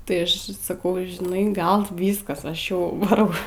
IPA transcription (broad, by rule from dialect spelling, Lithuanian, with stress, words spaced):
tɐɪ ˈɐʃ sɐˈkɐʊ ʒʲɪˈnɐɪ ˈɡɐlˠ ˈʋʲiːskɐs ˈɐʃ ˈjɛʊ ʋɐˈrɐʊ